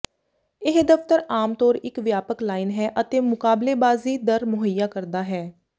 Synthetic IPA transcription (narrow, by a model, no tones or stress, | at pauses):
ɪɦd̪əft̪əɾaːmt̪ɔːɾɪkʋjaːpəklaːiːnɦɛːʔət̪eːmʊkaːbleːbaːziːd̪əɾmʊɦəjaːkəɾd̪aːɦɛː